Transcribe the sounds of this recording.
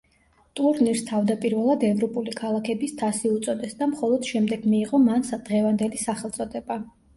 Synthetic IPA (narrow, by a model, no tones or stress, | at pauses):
t̪ʼuɾniɾst̪ʰavd̪apʼiɾvɛlˠad̪ɛvɾɔpʼulikʰalˠakʰɛbist̪ʰasiut̪sʼɔd̪ɛsd̪amχɔlˠɔd̪̥ʃɛmd̪ɛɡmiːʁɔmansd̪̥ʁɛvand̪ɛlisaχɛlˠt̪sʼɔd̪ɛba